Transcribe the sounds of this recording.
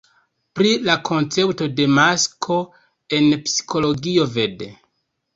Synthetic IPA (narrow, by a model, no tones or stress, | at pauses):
pɾilakʰo̞nt͡se̞pto̞de̞maskʰo̞ | e̞npsi̥kʰo̞lo̞ɡio̞ve̞de